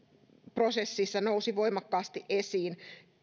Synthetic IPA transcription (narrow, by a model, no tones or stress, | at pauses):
prosesːisːɑnousiʋoimɑkːɑːst̪iʔesiːn